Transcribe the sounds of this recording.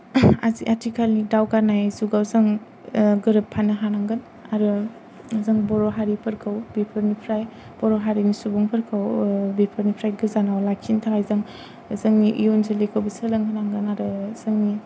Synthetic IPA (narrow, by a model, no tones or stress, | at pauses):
a̰ziʔatʰikʰalnidawkanajzuɡawzaŋ | ɡɯɾɯpʰːanɯɦanaŋɡɯn | aɾɯ | zaŋbɔɾɔɦaɾipʰɐɾkʰawbepʰɐɾnipʰɾaj | b̥ɔɾɔɦaɾinisubɔŋpʰɐɾkʰawbepʰəɾnipʰɾajɡɯzanawlakʰintʰaŋajzaŋ | zaŋniʔḭjonzelekʰawbisɯlaŋhanaŋɡɯnaɾɯz̥aŋni